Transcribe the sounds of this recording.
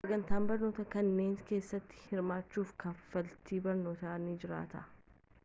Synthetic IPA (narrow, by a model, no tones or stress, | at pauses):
sɐɡɐnt̪aːnbɐɾno̞ːt̪ɐkɐnːe̞ːŋke̞ːsːɐt̪ːɪ̥hɪɾmaːt͡ʃːuːfkɐfɐlt̪iːbɐɾno̞ːt̪ɐnid͡ʒɪɾa̰ːt̪ɐ